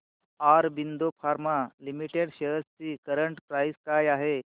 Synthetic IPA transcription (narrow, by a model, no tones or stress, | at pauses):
aɾbind̪ʱopʰaɾmalimiʈeɽɕeɦəst͡siːkəɾəɳʈpɾajiskajaɦe